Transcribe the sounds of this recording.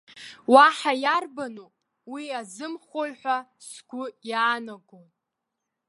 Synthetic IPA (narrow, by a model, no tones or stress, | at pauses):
waħajarbanopʼ | wiazɨmχolħʷᶣasɡ̥ʷʼʊjaːnaɡʼon